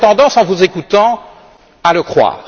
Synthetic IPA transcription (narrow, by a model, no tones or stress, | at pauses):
t̪ɑ̃d̪ɑ̃sɑ̃vuzekut̪ɑ̃ | aləkχwa̰ːʁ